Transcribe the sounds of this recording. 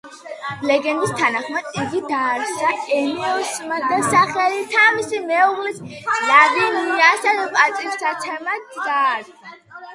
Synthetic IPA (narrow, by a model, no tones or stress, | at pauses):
lɛɡɛnd̪ist̪ʰanaχmat̪iɡid̪aːɾt͡ʃaɛniɔsmad̪asaχɛlit̪ʰavisimɛɔʁlissʼlabimiasad̪apʼat̪sʼissat̪sʰɛmad̪ɡaɾ | a